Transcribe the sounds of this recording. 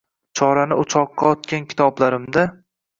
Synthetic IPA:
t͡ʃʰɒɾanɪʊt͡ʃʰɒqːɑɒt̪kʲankʲʰɪ̥t̪ʰɒblaɾɪmd̪a

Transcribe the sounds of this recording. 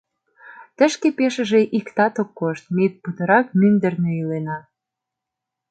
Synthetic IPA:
t̪ə̆ʃkepeʃə̆ʒeʔikt̪ɑt̪okːoʃt̪̚met̪̚put̪ə̆ɾɑkmynd̪ə̆rneilenɑ

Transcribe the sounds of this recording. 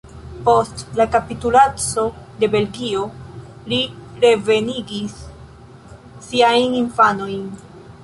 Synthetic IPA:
po̞stlakapitulat͡so̞de̞be̞lɡio̞ | liɾe̞ve̞niɡis | iajninfano̞jn

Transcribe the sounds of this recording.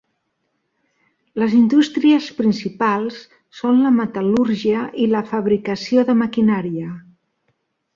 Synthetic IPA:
ləzind̪ust̪ɾiəspɾinsipalˠsː | onləmət̪əluɾʒiəʔiləfəβɾikəsioðəməkinaɾiə

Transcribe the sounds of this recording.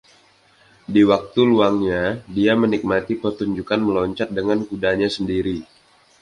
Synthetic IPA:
diwak̚t̪uluaŋɲadiamənik̚mat̪ipərt̪uɲd͡ʒukanməlɔɲt͡ʃat̪̚dəŋankudaɲasəndiɾi

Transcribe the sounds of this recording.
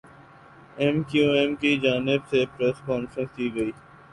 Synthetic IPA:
ɛmkijoːɛmkid͡ʒaːnɪbsepɾɛːskɔːnfɾə̃nskiːɡɐiː

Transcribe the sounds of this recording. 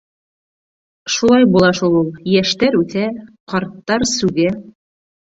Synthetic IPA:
ʃulˠɑjbulˠɑʃulˠulˠjæʃt̪æɾʉθæqɑɾt̪ːɑɾsʉɡæ

